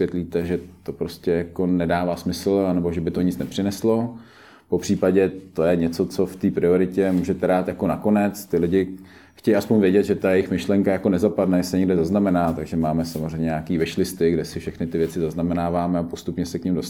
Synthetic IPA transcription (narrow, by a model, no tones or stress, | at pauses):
jɛt̪liːt̪ɛʒɛt̪o̞pɾo̞scɛjako̞nɛdaːvaːsmɪsl̩anɛboʒɛbɪt̪oɲɪt͡snɛpr̥ɪnɛslo̞ | po̞pr̥iːpaɟɛt̪ojɛɲɛt͡so̞t͡so̞ft̪iːpɾɪo̞ɾɪcɛmuːʒɛt̪ɛɾaːt̪jako̞nako̞nɛt͡st̪ɪlɪɟɪ | xcɛjaspoɲvjɛɟɛd̪ʒɛt̪ajɛjɪxmɪʃlɛŋkajakonɛzapadnɛjɛsɛɲɛɡdɛzaznamɛnaːt̪aɡʒɛmaːmɛsamozrɛjɲɛɲaːkiːvɪʃlɪst̪ɪɡdɛsɪfʃɛxnɪt̪ɪvjɛt͡sɪzaznamɛnaːvaːmɛapo̞st̪upɲɛsɛkɲɪmdos